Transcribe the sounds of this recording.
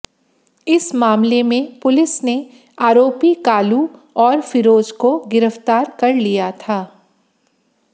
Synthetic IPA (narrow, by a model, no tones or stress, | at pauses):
ɪsmaːmlemẽpʊlɪsne | aːɾoːpikaːlu | ɔːɾfɪɾoːd͡ʒkoɡɪɾəft̪aːɾkɐɾlijat̪ʰaː